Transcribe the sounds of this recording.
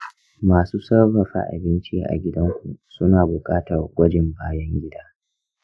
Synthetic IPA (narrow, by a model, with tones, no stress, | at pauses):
maː˨suː˦sɐ˦rbɐ˨ɸa̰˦ʔa̰˨bɪ˦nt͡ʃiː˦ʔa̰˨ɡʲɪ˦dɐ˦ŋkʷu˨sʊ˦naː˨bʊ˨kʼaː˦tɐ˨rɡʷɐ˦d͡ʒɪ˨mbaː˦jɐ˦ŋɡʲɪ˦daː˦